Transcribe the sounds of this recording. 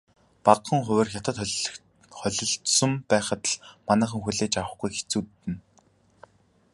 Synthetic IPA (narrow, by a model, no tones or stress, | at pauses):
paqːə̆ŋχʊ̟wɘ̆ːrxʲat̪ə̆t̪χɮ | χœɮɞ̆ɬt̪sə̆mpæːχə̆t̪ə̆ɮmanæːχə̆ŋxuɮeːt͡ɕawə̆χɡujxe̥t͡suːt̪ːɘ̆n